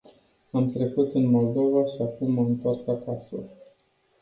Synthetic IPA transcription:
amt̪ɾe̞kut̪ɨnmo̞ld̪o̞vaʃiakumːəɨnt̪arkakasə̰

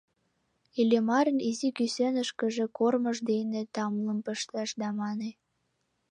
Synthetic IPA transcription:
ilʲemɑɾə̆nizikysønəʃkə̆ʒekorməʃd̪enet̪ɑmləmpəʃt̪ɑʃd̪ɑmɑne

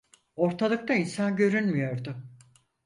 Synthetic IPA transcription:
o̞ɾt̪ʰalˠɯk̚t̪ainsanɟø̞ɾynmyjo̞ɾd̪ʊ

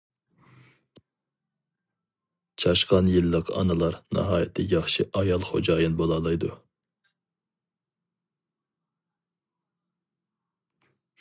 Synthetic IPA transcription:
t͡ʃʰɑʃqɑnjɪlːəqɑ̰nɨlˠɑɾnɑ̰ɦɑːjɪt̪ʰɪjʲɑχʃɪʔɑjɑlˠχo̰d͡ʒɑːjinbolˠɑlˠɑjd̪u

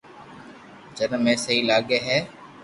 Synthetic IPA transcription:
d͡ʒənmẽːsəɦiːlaːɠeːɦɛː

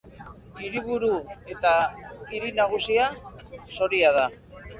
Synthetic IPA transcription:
iɾiβ̞uɾue̞t̪aiɾinaɣ̞usiaso̞ɾiað̞a

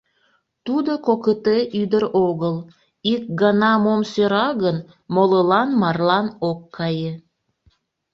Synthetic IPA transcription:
t̪ud̪okokət̪eʔyd̪əɾoɣəlˠ | ik̚ɡɑnɑmomsøɾɑɣən | moləlɑnmɑrlɑnokːɑje

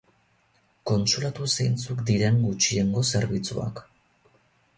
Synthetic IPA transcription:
ko̞nsulat̪useajnt͡sukd̪iɾe̞ŋɡut͡ʃie̞ŋɡo̞se̞ɾβit͡sṵa̰k

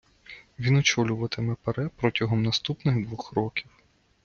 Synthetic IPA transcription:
ʋʲinɔt͡ʃɔlʲʊʋɐt̪ɪmɛpeɾɛpɾɔtʲɐɦɔmnɐst̪upnɪɣd̪ʋɔxɾɔkʲiw

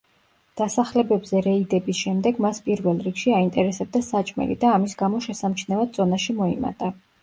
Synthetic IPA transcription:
d̪̥asaχlɛbɛbzɛɾɛid̪ɛbisʃɛmd̪ɛɡmaspʼiɾvɛlˠɾikʃiaint̪ʼɛɾɛsɛb̚d̪asat͡ʃʼmɛ̰lḭd̪aːmisɡamɔʃɛsamt͡ʃʰnɛvad̪z̥ʼɔnaʃimɔima̰t̪ʼa

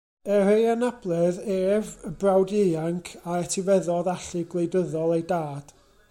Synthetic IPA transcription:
ɛrejanab̥lˠɛðeːvəbrawdejaŋkʰaɛtʰivɛðɔðaɬɪɡlˠejdəðɔlˠejdaːd̥

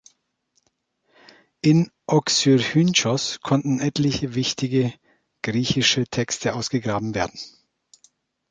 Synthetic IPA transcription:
ʔɪnʔɔksyʁhynt͡ʃɔskʰɔntn̩ɛtlɪçəvɪçtɪɡə | ɡ̥ʁiːçɪʃətʰɛkstʰəʔaʊsɡ̥əɡʁaːbm̩veːɐdn̩

